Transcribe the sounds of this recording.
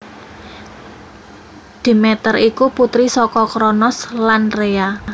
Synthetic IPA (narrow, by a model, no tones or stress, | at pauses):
d̪̥i̤mɛt̪əɾikuput̪ɾisɔkɔkɾɔnɔslanrea